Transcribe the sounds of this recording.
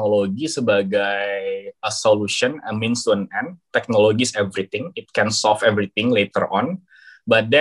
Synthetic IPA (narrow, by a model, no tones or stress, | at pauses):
noloɡisəbaɡajəsoluʃɔnəmĩnsənɛnt̪ɛk̚noloɡisɛvɾit̪ɪŋɪt̪̚kɛnsɔlfɛvɾit̪ɪŋlet̪ə̰rɔ̰n | bat̪̚dɛ